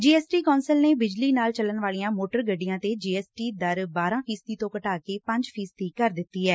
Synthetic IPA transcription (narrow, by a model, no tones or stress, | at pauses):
d͡ʒiːɛːsʈiːkɔːnsəlneːbɪd͡ʒliːnaːlt͡ʃələnʋaːliãːmoːʈəɾɡəɖːijãːt̪ed͡ʒiːɛːsʈiːd̪əɾbaːɾãːpʰiːst̪iːt̪õːkəʈaːkeːpə̃ɲd͡ʒpʰiːst̪iːkəɾd̪ɪt̪ːiːɛː